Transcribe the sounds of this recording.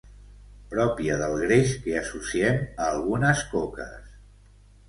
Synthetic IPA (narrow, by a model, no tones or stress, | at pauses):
pɾɔpiəðəlˠɣɾeʃkeəsusiɛməːlˠɣunəskokə̰s